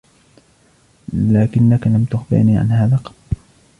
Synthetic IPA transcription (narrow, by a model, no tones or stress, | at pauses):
laːkɪnːakalamt̪ʊxfɪ̰ʕniːʕa̰nhaːðaːqɑb